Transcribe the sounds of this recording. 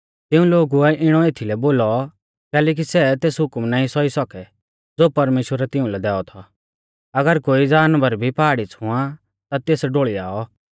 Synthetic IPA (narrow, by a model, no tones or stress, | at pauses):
t̪ɪũloːɡuɛʔɪɽ̃ɔeːt̪ʰilɛboːlɔ | kɛːlɛːk̬isɛt̪eːsɦʊkmnaːĩsɔisɔkɛ | d͡zoːpɐɾmeːʃwəɾɛt̪ɪ̃ũlɛd̪ɛːɔt̪ʰɔ | ɐɡəɾkoːid͡zaːnbəɾbʱipaːɽit͡sʰʊ̃ã | t̪at̪eːsɖoːɭia̰ːɔ